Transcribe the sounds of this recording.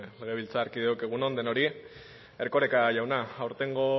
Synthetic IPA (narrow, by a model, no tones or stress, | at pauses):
le̞ɣ̞e̞βilt͡saːɾkiðewkeɣ̞uno̞nd̪e̞no̞ɾi | e̞ɾkoɾekaʝawnaːwɾt̪e̞ŋɡo̞